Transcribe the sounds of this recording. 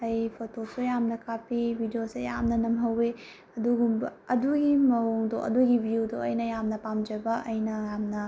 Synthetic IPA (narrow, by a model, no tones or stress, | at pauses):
ɐjpʰotʰosojamnɐkʰapibʱidijoseja̰mnɐnɐmɦɐwe | ɐduɡumbɐɐduɡimɐwuŋdoʔɐ̰duɡibʱijudoɐjnɐjamnɐpamd͡ʒɐbɐʔɐjnɐjamnɐ